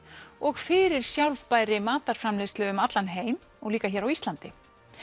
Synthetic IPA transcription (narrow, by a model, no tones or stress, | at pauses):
ɔɣfɪɾɪɾ̥sjawlvpaːjɾɪmaːt̪aɾ̥fɾamlejst̪œɣʏmat̪lanɦeːjm | ɔɣliːkaçɛːɾawist̪lant̪ɪ